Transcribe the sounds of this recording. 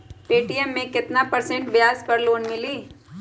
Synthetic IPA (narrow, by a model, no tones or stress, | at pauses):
piːʈiɛmːẽkɪt̪napɐɾsẽɳʈʋjaːzkɐɾloːnmɪliː